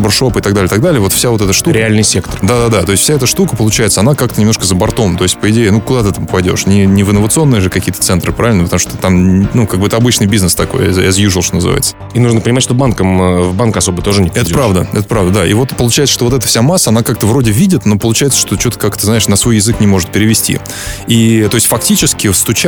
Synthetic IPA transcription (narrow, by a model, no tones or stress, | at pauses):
bɨrʂo̞pɨɪt̪ɐɡd̪alʲɪəɪt̪aɡ̚d̪alʲɪəvo̞t̪fsʲavo̞t̪ɛt̪əʂt̪ukɾʲɪalʲnɨjsʲekt̪ərd̪ad̪ad̪at̪o̞ɪsʲtʲfsʲaɛt̪əʂt̪ukəpəlˠʊt͡ɕæjɪt̪səɐnakak̚t̪ənʲɪmnoʂkəzəbɐrt̪o̞mt̪o̞ɪsʲtʲpəɪdʲeɪnukʊd̪at̪ɨt̪amppɐjdʲo̞̰ʂnʲɪnʲɪvɨnːəvət̪sɨo̞nːɨjəʐɨkɐkʲiət̪ət̪sɛnt̪ɾɨpɾavʲɪlʲnəpət̪ɐmu̥ʂt̪ot̪amʲnukaɡbɨɛt̪əɐbɨt͡ɕnɨjbʲiznəst̪ɐko̞̰ja̰zjuʐɨlˠʂt̪onəzɨ̰va̰jɪt̪sə̥ | inuʐnəpənʲɪmatʲʂt̪obankəmvbankɐso̞bət̪o̞ʐɨnʲɪpɛt̪dʲpɾavd̪ə̰ɛt̪ə̥pɾavd̪əd̪aḭvo̞t̪pəlˠʊt͡ɕæɪt̪səʂt̪oo̞t̪ɛt̪əfsʲamasːəɐnakak̚t̪əvɾo̞dʲɪvʲidʲɪt̪no̞pəlˠʊt͡ɕæjɪt̪sə̥ʂt̪o̞t͡ɕot̪ə̥kakt̪əznaɪʂnəsvojɪzɨknʲɪmo̞ʐɨt̪̚pʲɪɾʲɪvʲɪsʲtʲḭ | it̪o̞ɪsʲtʲfɐk̚tʲit͡ɕɪskʲɪfst̪ʊt͡ɕ